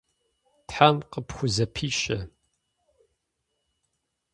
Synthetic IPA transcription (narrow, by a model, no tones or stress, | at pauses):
tħamqəpʰxʷʊzɐpʰiːɕʼɐ